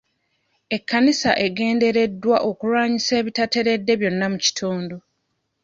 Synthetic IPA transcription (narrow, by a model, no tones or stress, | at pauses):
e̞kːanisa̰ʔe̞ɡe̞ːnde̞ɾe̞dːwaʔo̞kuɾwaːɲise̞ːβitate̞ɾe̞dːe̞βjo̞nːamuci̥tʰoːndo